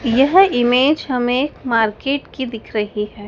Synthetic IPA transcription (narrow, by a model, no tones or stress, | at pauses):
jɐɦɪmeːd͡ʒhɐmeːkmaːɾkeːʈkid̪ɪkʰɾɐɦiɦɛː